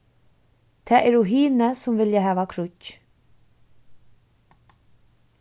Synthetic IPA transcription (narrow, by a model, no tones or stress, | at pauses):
t̪ʰɛːʔɛɾuɦiːnəsʊmvɪljaɦæːʋakʰɾʊc